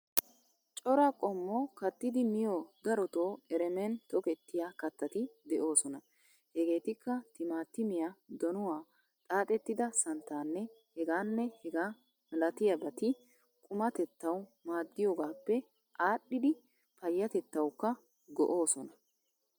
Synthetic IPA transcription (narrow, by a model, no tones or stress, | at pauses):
t͡ʃʼɔɾɐkʼɔmːɔkɐt̪ːɪd̪ɪmɪjoːd̪ɐɾɔt̪o̞ːɛɾɛmɛnt̪ɔkɛt̪ːɪjakɐt̪ːɐt̪ɪd̪ɛʔo̞ːsɔnɐ | hɛɡe̞ːt̪ɪkːɐt̪ɪmaːt̪ːɪmɪjad̪ɔnʊwaː | t̪ʼaːt̪ʼɛt̪ːɪd̪ɐsɐnt̪ːaːnːɛhɛɡaːnːɛhɛɡaː | mɐlɐt̪ɪjɐbɐt̪ɪ | kʼʊmɐt̪ɛt̪ːɐwmaːd̪ːɪjoːɡaːpːɛ | ʔaːɗːɪd̪ɪ | pɐjːɐt̪ɛt̪ːɐwkːɐ | ɡɔ̰ʔo̞ːsɔnɐ